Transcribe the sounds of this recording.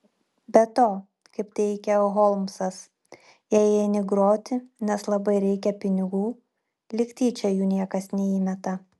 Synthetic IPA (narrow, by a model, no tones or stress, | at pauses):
bʲɛt̪oː | kɐɪpt̪ʲɛɪkʲɛoɣɔlˠmsɐs | jɛɛɪnʲɪɡɾoːt̪ʲɪnʲɛslˠɐbɐɪɾʲɛɪkʲɛpʲɪnʲɪɡuː | lʲɪkt̪ʲiːt͡ʃʲɛjuːnʲiɛkɐsnʲɛiːmʲɛt̪ɐ